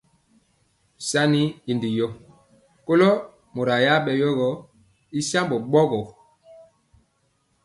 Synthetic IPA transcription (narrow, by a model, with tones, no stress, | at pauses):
sa˦ni˦i˨ndi˨jɔ˦ | ko˦lɔ˦ | mo˨ɾa˨ja˦ɓɛ˨jɔ˦ɣɔ˨ | i˦sa˦mbo˨ɓɔ˦ɡɔ˨